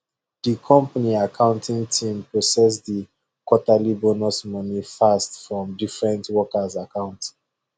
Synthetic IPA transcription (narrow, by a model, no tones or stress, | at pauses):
dikʰɔ̃mpaniakʰãʊ̃ntʰĩŋtʰĩmpʰɹɔsɛs̬di | kwɔtalibonɔsmɔnifastfɹɔ̃mdifɹɛ̃ntwɔkazakãʊ̃nt